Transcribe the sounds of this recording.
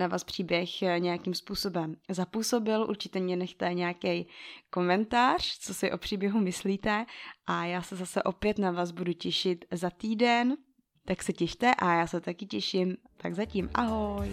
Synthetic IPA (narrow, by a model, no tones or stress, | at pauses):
navaːspr̝̥iːbjɛxɲɛjakimspuːso̞bɛmzapuso̞bɪlʔṵɾt͡ʃɪ̥t̪ɛmɲɛnɛxt̪ɛɲɛjakɛjko̞mɛnt̪aːr̝̥t͡so̞sɪʔo̞pr̥iːbjɛɦumɪsliːt̪ɛʔajaːsɛzasɛʔo̞pjɛt̪navaːsbuducɛʃɪt̪zat̪iːdɛn | t̪aksɛcɛʃt̪ɛʔajaːsɛt̪akɪcɛʃɪmt̪aɡzaciːmʔa̰ɦo̞j